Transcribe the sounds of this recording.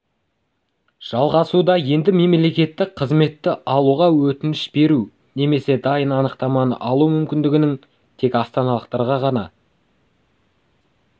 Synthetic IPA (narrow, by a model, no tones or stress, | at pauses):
ʒ̥ɑlˠʁɑsud̪ɑje̞nd̪ɪme̞mele̞kʲe̞t̪ːɪqʰəzme̞t̪ːɪʔɑlˠuʁɑwɵt̪ɪnɪʃbe̞ɾu | ne̞me̞se̞d̪ɑjənɑnəqt̪ɑmɑnə̰ʔɑlˠumʏmkʲɪnd̪ɪɡʲɪnɪŋ | t̪ʰe̞kɑst̪ɑnɑlˠəqt̪ɑɾʁɑʁɑnɑ